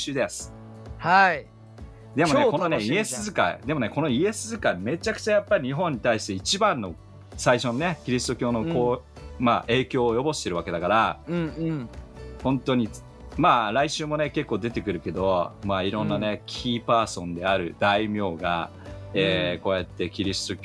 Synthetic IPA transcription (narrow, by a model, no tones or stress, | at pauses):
ɨːd̪e̞sɨ̥ | hai | d̪e̞mo̞ekooneie̞sɨzɨkaḭd̪e̞mo̞ne̞ko̞no̞ie̞sɨzɨkaime̞t͡ɕakɯ̟̥t͡ɕajapːaɾʲiɲ̟iɦõ̞ɲ̟ːit̪aiɕi̥t̪eit͡ɕibãnːo̞ | saiɕo̞none̞kʲiɾʲisɨ̥t̪o̞kʲo̞ːno̞koː | maʔe̞ːkʲo̞ːjo̞bo̞ɕi̥t̪e̞ɾɯ̟βake̞d̪akaɾã | hõ̞nt̪o̞ɲ̟i | maːɾaiɕɨːmo̞ne̞ke̞kːo̞ːd̪e̞t̪e̞kɯ̟ɾɯ̟ke̞d̪o̞maːiɾõ̞nːane̞kʲʰiːpaːsõ̞nd̪e̞aɾɯ̟d̪aimʲo̞ːɡa̰ | eːko̞ːjat̪ːe̞kʲiɾʲisɨ̥t̪o̞kʲ